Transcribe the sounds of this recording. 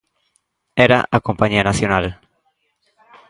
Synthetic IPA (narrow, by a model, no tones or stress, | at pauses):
eɾa̰ʔakompaɲianaθjonal